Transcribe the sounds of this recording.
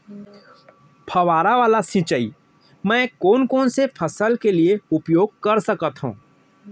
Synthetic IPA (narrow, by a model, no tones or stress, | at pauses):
pʰɐʋaːɾaʋaːlasɪ̃t͡ʃəiː | mɛ̃ːkoːnkoːnsepʰɐsəlkelieʊpjoːɡ̚kɐɾsɐkət̪ɦṵ̃ː